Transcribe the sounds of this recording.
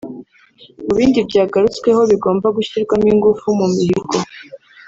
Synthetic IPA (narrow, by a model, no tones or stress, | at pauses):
muβiːndibɟaːɡaɾut͡skwe̞ho̞βiɡo̞ːmbaɡuçiɾɡwamiŋɡufumumihiɾɡo